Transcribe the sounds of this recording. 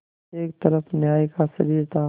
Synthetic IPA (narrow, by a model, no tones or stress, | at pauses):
eːk̚t̪ɐɾəfnjaːikasɐɾiːɾt̪ʰaː